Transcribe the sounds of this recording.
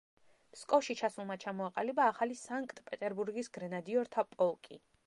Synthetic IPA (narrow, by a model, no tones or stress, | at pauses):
mskʼɔfʃit͡ʃʰasulˠmat͡ʃʰamɔaqʼa̰libaːχalisaŋkʰʼt̪ʼpʼɛt̪ʼɛɾbuɾɡisɡɾɛnad̪iɔɾt̪ʰapʼɔlˠkʼi